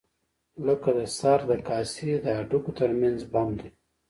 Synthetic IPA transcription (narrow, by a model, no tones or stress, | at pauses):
ləkad̪əsɑɾd̪əkɑsid̪əaɖukot̪əɾmanzbamd̪e